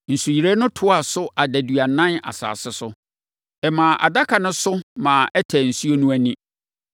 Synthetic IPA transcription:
n̩˨su˨ji˨ɾe˦nʊ̃˦tʰʊ˦a˨sʊ˦ʔa˨dæ˨dɥa˨nã˦na̰˨sa̰ː˨sɪ˦sʊ˦ | ɛ˨mãː˨ʔa̰˨da˦kʰa˨nʊ̃˦sʊ˦mãː˨ʔɛ˦tʰæ˨n̩˨su˦o˦nũ˦æ˦nĩ˦

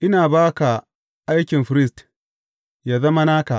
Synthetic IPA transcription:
ʔɪ˦naː˨baː˦ka˨ | ʔa˦jkʲɪ˨mɸɪ˦ɾɪ˦st | jaː˨zɐ˦ma˦naː˦ka˨ʔ

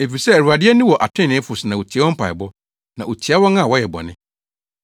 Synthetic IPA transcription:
e˨fi˨sɛ˦æ˨ɾu˨a˨dɪ˦ɛ˦nũ˦wɔ˨ʔa˨tʰɪ̃˦˨nɪ̃˨˦fʊ˨sɪ˨nã˨wo˨t͡ɕʰi˨˦ɛ˦ɔ̃˦m̩˦pʰa̰˨ɪ̰˨bɔ˦ | nã˨o˨t͡ɕʰi˨a˦wɔ̃˦ŋã˦˨wɔ˦jɛ˨bɔ̰˨nɪ̰̃˦

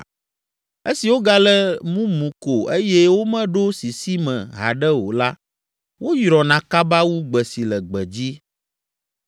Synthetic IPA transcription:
e˦si˨wo˦ɡa˦lɛ˦mũ˦mũ˨ko˨e˦jɛ˦wo˦mɛ̃˦ɖo˦si˨si˦mɛ̰̃˨ɦa̰˨ɖɛ˦wo̰˨la˦ | wo˦jɾɔ˨nã˨ka˦ba˦wu˦ɡ͡bɛ˨si˨lɛ˨ɡ͡bɛ˨d͡ʑi˦

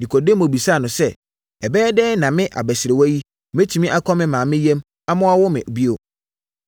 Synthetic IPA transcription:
di˨kʰɔ˨de˦mõ˨bi˨sa˦˨nʊ̃˨sɛ˦ | ɛ˨bɛː˦dɛː˦nã˨mɪ̃˦ʔa̰˨bɛ˨sɪ˨ɾe˨wɔ˦ji˦ | mẽ˦tʰi˨mĩ˦ʔa˦kʰɔ˦mɪ̃˦mãː˨mɪ̃˦jɛ̃˦m | a˦mʊ̃˦a˦wɔ˦mɪ̃˨ʔbi˦o˨

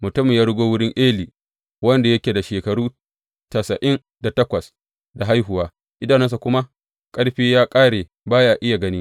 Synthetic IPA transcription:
mʊ˨tʊ˦mɪ˨jaː˦ɽʊ˦ɡʷoː˦wʊ˦ɽɪ˦ŋʔeː˦liː˨ | wɐ˦nda˨jɐ˦kʲeː˨da˨ʃeː˨kɐ˨ɽuː˦ | ta˨sɐ˨ʔɪ˦n | da˨tɐ˦kʷɐ˨s | da˨ɦa˦jɦʊ˨waː˦ | ʔɪ˦daː˨nɛ˦ns̬a˨kʷʊ˦ma˦ | kʼɐ˦ɽɸiː˦jaː˦kʼaː˦ɽeː˨ | baː˦jaː˦ʔɪ˦ja˨ɡɐ˦nɪ˦

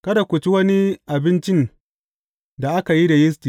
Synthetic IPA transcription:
kɐ˦da˨kʷʊ˨t͡ʃi˦wɐ˦ni˦ʔa˨bɪ˦nt͡ʃɪ˦n | da˨ʔa˦ka˨ji˦dɐ˨jɪ˦stiː˨

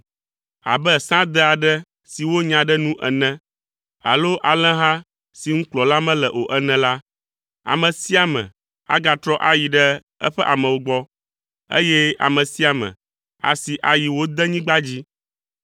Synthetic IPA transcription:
a̰˨bɛ˦sã˦d̪ɛ˦a˨ɖɛ˦ | si˨wo˦ɲã˨ɖɛ˦nũ˦ʔɛ˨nɛ̃˦ | a̰˨lo˦ʔa˨lɛ̃˦ɦã˦ | si˨ŋ̩̃˦k͡plɔ˨la˦mɛ̃˦lɛ˨ʔo˨ʔɛ˦nɛ̃˨la˦ | a̰˨mə̃˨si˦a˨mɛ̰̃˨ | a̰˦ɡa˨t̪ɾɔ˦ʔa˦ji˨ɖɛ˦ | ɛ̰˦ɸɛ˦ʔa˨mə̃˨wo˦ɡ͡bɔ˦ | ḛ˦jɛ˦a̰˨mə̃˨si˦a˨mɛ̰̃˨ | a̰˨si˨ʔa˨ji˨wo˦d̪ɛ˦ɲĩ˦ɡ͡ba˦d͡ʑi˦

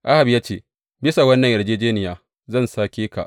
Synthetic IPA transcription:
ʔa˦ha˨bjaː˦t͡ʃeː˦˨ | bɪ˦sa˨wɐ˦nːɐ˨ŋʔɐ˨ɽd͡ʒeː˦d͡ʒeː˦nɪ˨jaː˦ | zɐ˦˨nsaː˦kʲeː˦ka̰˨ʔ

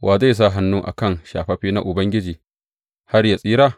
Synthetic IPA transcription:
wʔaː˨za˦˨s̬a˦˨ɦa˦nːuː˦ʔa̰˨kɐ˦nʃa̰ː˨ɸɐ˦ɸiː˦na˦ʔʊ˨bɐ˦ŋɡʲɪ˦d͡ʒiː˨ | ha˦rja˨sʼiː˦ɾaː˦˨

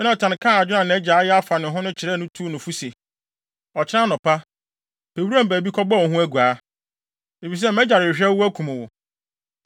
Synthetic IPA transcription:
m˦nã˨tʰã˨n˨kʰãː˦a˨d͡ʑᶣʊ˦nã˨ñ˨ɛ˦d͡ʑaː˨˦jɛ˦a˦fa˨nɪ̃˨ɦʊ̃˦nʊ̃˦t͡ɕʰɪ˨ɾɛː˦˨nʊ̃˦tʰuː˦nʊ̃˨fu˦se˨ | ɔ˨t͡ɕʰɪ˦ɾã˦nʊ̃˨pa˦ | pʰe˨wu˦ɾã˦m̩˨bæː˨bi˦kʰɔ˦ba˦˨ɔ˨ɦũ˦æ˦ɡu˨aː˨˦ | e˨fi˨s̬ɛ˦m̩mɛ̃˦d͡ʑa˨ɾɪ˨ɕᶣɛ˦æ˦kʰũ˨mʊ̃˨wʊ˨

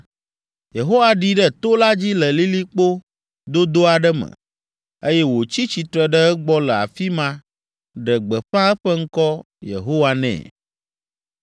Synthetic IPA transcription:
je˨ɦo˦wa˨ɖi˦ɖə˦t̪o˦la˦d͡ʑi˦lə˨li˦li˦k͡po˦ | d̪o˦d̪o˦a˨ɖə˦mə̰̃˨ | e˦jɛ˦wo˨t͡ɕi˦t͡ɕi˨t̪ɾɛ˨ɖə˦ə˦ɡ͡bɔ˦lə˨a̰˨fi˦mã˦ | ɖə˨ɡ͡bə˨ɸã˦ə˦ɸə˦ŋ̩˦kɔ˦ | jḛ˨ɦo˦wa˦nɛ̰̃˨

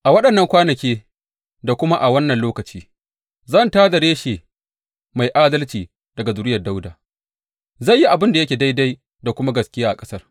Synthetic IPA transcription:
ʔa˨wɐ˦ɗɐ˨nːɐ˦ŋkʷaː˦nɐ˨kʲeː˦ | da˨kʷʊ˦ma˦ʔa˨wɐ˦nːɐ˨nloː˦kɐ˨t͡ʃiː˦ | zɐ˦˨ntaː˦da˨ɽeː˦ʃeː˨ | ma˨jʔaː˦dɐ˦lt͡ʃiː˨ | d̥ɐ˨ɡa˨zʊ˨ɾɪ˦jɐ˨da˦wdaː˨ | zɐ˦˨jːi˦ʔa˨bɪ˦nda˨jɐ˦kʲeː˨da˦jda˦j | da˨kʷʊ˦ma˦ɡɐ˨skʲɪ˦jaː˦ʔa˨kʼɐ˦sɐ˦r

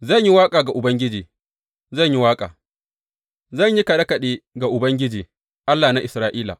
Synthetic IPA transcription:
zɐ˦˨ɲji˦waː˦kʼaː˨ɡa˨ʔʊ˨bɐ˦ŋɡʲɪ˦d͡ʒiː˨ | zɐ˦˨ɲji˦waː˦kʼa̰ː˨ | zɐ˦˨ɲji˦kɐ˨ɗɐ˦kɐ˨ɗeː˦ɡa˨ʔʊ˨bɐ˦ŋɡʲɪ˦d͡ʒiː˨ | ʔa˦lːaː˨na˦ʔɪ˨sɾaː˦ʔiː˦la̰˨

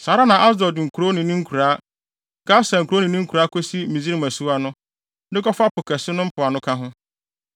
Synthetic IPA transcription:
sa˨ɾa˦nã˨ʔa˦sdɔ˨dɪ˨ŋ̩˨kʰu˨ɾo˦nɪ̃˨nɪ̃˦ŋ̩˦kʰu˨ɾaː˦˨ | ɡa˦sã˨ŋ̩ku˨ɾo˦nĩ˨nɪ̃˦ŋ̩˦kʰu˨ɾa˦kʰo˦si˦mĩ˨zi˦ɾi˦mæ˨su˦a˦nʊ̃˦ | dɪ˦kɔ˦fa˦pʊ˨kʰɛ˨sɪ˦nʊ̃˦m̩˦pʰʊ˨a˨nʊ̃˦kʰã˦ɦʊ̃˦

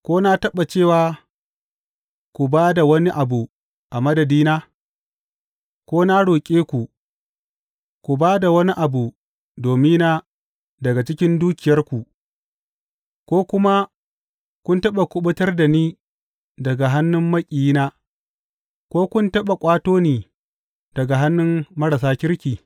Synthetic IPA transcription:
kʷoː˦na˦tɐ˦ɓa˨t͡ʃeː˦˨waː˨ | kʷu˨baː˦da˨wɐ˦ni˦ʔa˨bu˨ | ʔa˨mɐ˦dɐ˨diː˦naː˦ | kʷoː˦na˦ɽoː˨kʲʼeː˦kʷu˨ | kʷu˨baː˦da˨wɐ˦ni˦ʔa˨bu˨ | doː˨mɪ˦na˦ | dɐ˨ɡa˨t͡ʃɪ˦kʲɪ˦nduː˦kʲɪ˨jɐ˦rkʷu˨ʔ | kʷoː˦kʷʊ˦ma˦ | kʷʊ˦ntɐ˦ɓa˨kʷʊ˦ɓʊ˦tɐ˦rda˨niː˦ | dɐ˨ɡa˨ɦa˦nːʊ˦mːɐ˦kʲʼi˨i˦naː˦ | kʷoː˦kʷʊ˦ntɐ˦ɓa˨kʷʼaː˦toː˦niː˨ | dɐ˨ɡa˨ɦa˦nːʊ˦mːɐ˦ɾa˨saː˦kʲɪ˦ɾkʲiː˨

